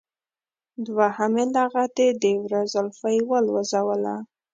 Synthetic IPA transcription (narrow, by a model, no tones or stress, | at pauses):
d̪wahamelaɣat̪ed̪ewɾazəlfajwəlwəzawəla̰